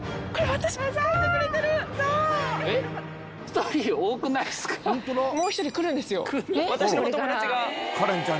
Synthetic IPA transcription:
keβat̪aɕimozaɯt̪ekɯɾet̪eɾɯsae | çi̥t̪oɾʲiːo̞ːkɯ̟naisɨ̥kʰãt̪omoːçi̥t̪o̞ɾʲikɯ̟ɾɯ̟̃nd̪e̞sɨjo̞̰kɯɾβat̪aɕionootomod̪aat͡ɕiɡakʰaɾẽɲt͡ɕã

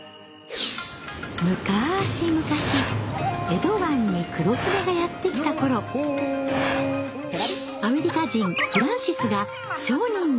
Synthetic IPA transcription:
mɯ̟kaɕimɯ̟kaɕie̞d̪o̞βãɲ̟ːikʰɯ̟ɾo̞kɯɾeɡajat̪ːe̞kʲi̥t̪ako̞ɾo̞ | ame̞ɾʲikaʑĩŋɸɯ̟ɾãɰ̃ɕisɨɡa | ɕo̞ːɲ̟ĩn

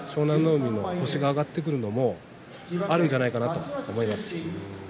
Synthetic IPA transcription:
ɕo̞ːnãnːo̞ːmʲino̞ho̞ɕiɡaːɡat̪ːek̬ɯ̟ɾɯ̟no̞mo̞ | aɾɯ̟̃ɲ̟d͡ʑanaikanat̪o̞ːmo̞imasɨ̥

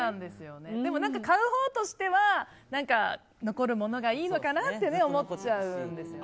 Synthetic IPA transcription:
nãnd̪e̞sɨjo̞ne̞d̪e̞mo̞nãŋkakaɯ̟ho̞ːt̪o̞ɕi̥t̪e̞βa | nãŋka | no̞ko̞ɾɯ̟mo̞no̞ɡaiːno̞kanat̪ːe̞ne̞o̞mo̞t͡ɕaɯ̟̃nd̪e̞sɨjo

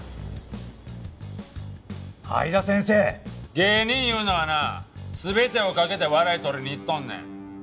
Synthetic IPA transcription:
ha̰id̪asẽ̞ɰ̃se̞ːɡe̞ːɲĩɰjɯ̟ːnoβanasɨbe̞t̪e̞o̞kake̞t̪e̞βaɾait̪oɾʲiɲ̟iːt̪ːõnːḛ̃

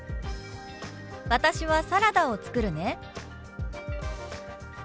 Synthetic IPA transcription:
βat̪aɕiβasaɾad̪ao̞t͡sɨ̥kɯ̟ɾɯ̟ne̞

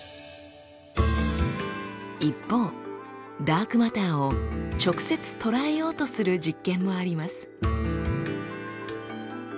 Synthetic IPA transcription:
ipːo̞ː | d̪aːkɯ̟mat̪aːo̞t͡ɕo̞kɯ̥se̞t͡sɨ̥t̪o̞ɾae̞jo̞ːt̪o̞sɨɾɯ̟d͡ʑikːẽ̞mːo̞aɾʲimasɨ̥

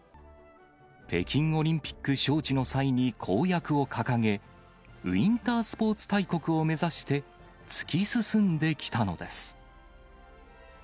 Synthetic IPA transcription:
pe̞̰kʲĩŋo̞ɾʲĩmpʲi̥kːɯ̟ɕo̞ːt͡ɕino̞saiɲ̟ikʰo̞ːjakɯ̟o̞kʰakaŋe̞ | ĩnt̪aːsɨ̥po̞ːt͡sɨ̥t̪aiko̞kɯ̟o̞me̞zaɕi̥t̪e̞ | t͡sɨ̥kʲisɨsɨ̃nd̪e̞kʲi̥t̪ano̞̰d̪e̞sɨ̥

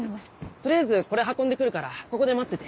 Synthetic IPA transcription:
t̪o̞ɾʲijazɨko̞ɾe̞ɦakːond̪ekɯ̟ɾɯ̟kaɾako̞ko̞d̪e̞mat̪ːe̞t̪e

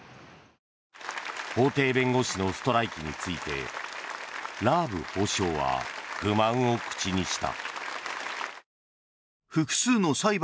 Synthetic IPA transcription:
ho̞ːt̪e̞ːbẽ̞ŋɡo̞ɕino̞sɨ̥t̪o̞ɾaikʲiɲ̟it͡sɨit̪e̞̰ | ɾaːbɯ̟̰ho̞ːɕo̞ːβa̰ɡ̥ɯ̟mãɰ̃o̞kɯ̟̥t͡ɕiɲ̟iɕi̥t̪a̰ | ɸɯ̟kɯ̟̥sɨːno̞saib

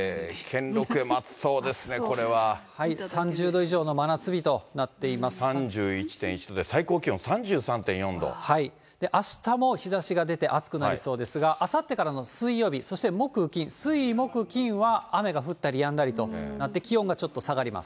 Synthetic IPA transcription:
kʰẽ̞nɾo̞kɯemat͡sɨ̥so̞ːd̪e̞sɨneko̞ɾe̞βahaisãɲ̟d͡ʑɨːd̪o̞iʑo̞ːno̞manat͡sɨbʲit̪o̞nat̪ːe̞imasɨ̥ãɲd͡ʑɨːit͡ɕi̥t̪ẽ̞it͡ɕi̥t̪od̪esaiko̞ːkʲiõ̞sãɲd͡ʑɨːsãnt̪ẽɰ̃jõ̞nd̪o̰hai | d̪̥e̞ʔaɕi̥t̪amo̞çizaɕiɡad̪e̞t̪e̞ʔat͡sɨ̥kɯ̟naaɾiso̞ːd̪e̞sɨɡaʔasat̪ːe̞kaɾano̞sɨijo̞ːbʲiso̞ɕi̥t̪e̞mo̞kɯ̟kʲĩɰ̃sɨimo̞kɯ̟kʲĩɰ̃βaːme̞ɡaɸɯ̟t̪ːaɾʲijãnd̪aɾʲit̪o̞nat̪ːe̞kʲiõ̞ŋɡat͡ɕo̞t̪ːo̞saɡaɾʲima̰s

